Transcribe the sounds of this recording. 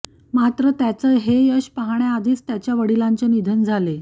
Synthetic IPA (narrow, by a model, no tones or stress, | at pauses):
mat̪ɾət̪jat͡səːɦejəɕpəɦaɳ̃jaad̪ʱiːt͡st̪jat͡ɕjaʋəɽilaɲt͡ɕenid̪ʱənd͡zʱale